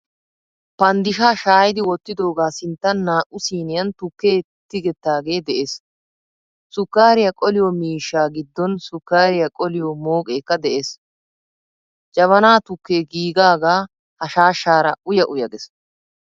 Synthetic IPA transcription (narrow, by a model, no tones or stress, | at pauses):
pɐnd̪ɪʃaːʃaːjɪd̪ɪwɔt̪ːɪd̪o̞ːɡaːsɪnt̪ːɐnːaːʔʊsiːnɪjɐnt̪ʊkːe̞ːt̪ːɪɡɛt̪ːaːɡe̞ːd̪ɛʔeːs | sʊkːaːɾɪjɐkʼɔlɪjɔmiːʃːaːɡɪd̪ːɔnsʊkːaːɾɪjɐkʼɔlɪjɔmoːkʼe̞ːkːɐd̪ɛʔes | d͡ʒɐβɐnaːt̪ʊkːeːɡiːɡaːɡaː | hɐʃaːʃːaːɾɐʔʊjɐʔʊjɐɡɛs